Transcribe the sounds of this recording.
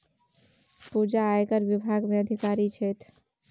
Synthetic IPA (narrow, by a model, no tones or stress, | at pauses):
pud͡ʒaːjkəɾʋibʱaɡmeəd̪ʱikaɾit͡ʃʰɛt̪ʰ